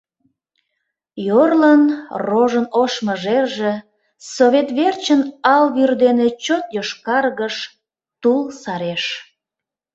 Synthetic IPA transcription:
jorlənroʒənoʃməʒerʒe | soβet̪βert͡ɕənɑlβyrd̪enet͡ɕot̪joʃkɑrɣəʃ | t̪ulsɑɾeʃ

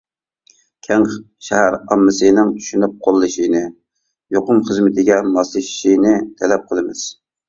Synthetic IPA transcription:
kʲʰɛŋ | ʃɛhæɾɑmːɨsɨnɪŋt̪ʰy̥ʃynyp̚qʰolˠːɨʃinɨ | joqʊmχəzmɪt̪ʰɪɡʲɛmɑslˠɨʃi̥ʃinɪt̪ʰɛlɛp̚qʰəlˠɨmɪz̥

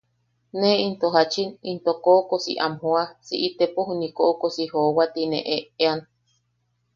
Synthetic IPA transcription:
neint̪oɦat͡ʃinint̪okokosḭʔa̰mhuasiʔit̪epoɦunikoʔokosihoːwat̪inḛʔeean

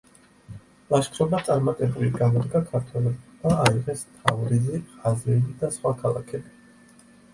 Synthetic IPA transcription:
lˠaʃkʰɾɔbat̪sʼaɾmat̪ʼɛbuliɡamɔd̪ɡakʰaɾt̪ʰwɛlɛb̪aaiʁɛst̪ʰavɾiziazɾɛlid̪asχwakʰalˠa̰kʰɛbi

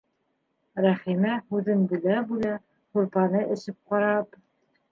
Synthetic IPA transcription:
ɾæχimæhʉðɘnbɘ̆læbulæ | huɾpɑnɤʔɘ̆ʃɘp̚qɑɾɑp

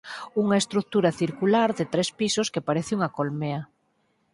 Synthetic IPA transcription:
uŋaest̪ɾuk̚t̪uɾaθiɾkulaɾðet̪ɾespisoskepaɾeθeuŋakolmea

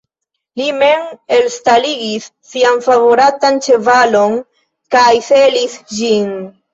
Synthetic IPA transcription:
lime̞me̞lstaliɡisːianfavo̞ɾatant͡ʃe̞valo̞n | kajselisd͡ʒin

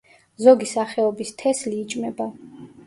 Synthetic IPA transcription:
zɔɡisaχɛɔbist̪ʰɛsliːt͡ʃʼmɛba

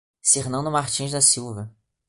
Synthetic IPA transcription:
seɾnɐ̃nd̪ʊmaχt͡ʃĩʒd̪ɐsiwvɐ

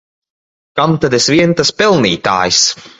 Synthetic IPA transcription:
kamt̪ad̪ɛsviɛnt̪aspɛlˠniːt̪a̰ːjis

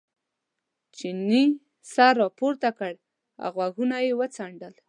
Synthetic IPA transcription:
t͡ʃini | saɾɑpoɾt̪akəɽ | a̰ɣwaɣunajewət͡saɳɖəl

